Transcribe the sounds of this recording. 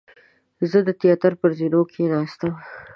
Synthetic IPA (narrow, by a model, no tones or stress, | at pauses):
zəd̪ət̪ijɑt̪əɾpəɾzinokʰenɑst̪əm